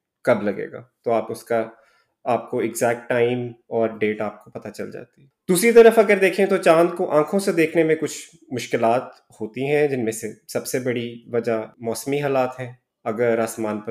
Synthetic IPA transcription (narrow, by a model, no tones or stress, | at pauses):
kɐblɐɡḛːɡa̰ːt̪oaːpʊska | aːp̚koɪɡzɛːk̚ʈːaːɪmɔːɾɖeːʈaːp̚kopɐt̪at͡ʃɐ̰ld͡ʒa̰ːt̪iɛd̪uːsɾit̪ɐɾəfɐɡəɾd̪eːkʰẽt̪ot͡ʃãːnd̪̚koʔãːkʰõsed̪eːkʰnemẽkʊt͡ʃʰ | mʊʃkɪlaːt̪ | hoːt̪iɦɛ̃d͡ʒɪnmẽsesɐbsebɐɽiʋɐd͡ʒamɔːsmiɦaːlaːt̪ɦɛ̃ː | ɐɡəɾaːsmaːnpɐ